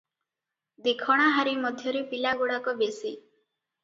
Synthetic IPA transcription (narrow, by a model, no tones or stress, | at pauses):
d̪ekʰɔɽ̃aɦaɾimɔd̪ʱjɔɾepilaɡoɽakɔbesi